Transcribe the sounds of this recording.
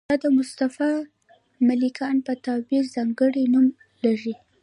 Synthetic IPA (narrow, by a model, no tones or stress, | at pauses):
ɑd̪əmʊst̪afɑ | malikʰɑnpət̪ɑbiɾzɑŋɡəɽinum | laʐi